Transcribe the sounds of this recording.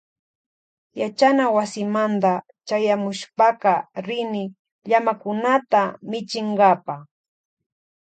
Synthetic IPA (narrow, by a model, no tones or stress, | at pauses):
jat͡ʃanawasɪmant̪a | t͡ʃajamʊʃpɑqɑɾɪnɪ | ʎamakʊnat̪amɪt͡ʃɪɴɢɑpa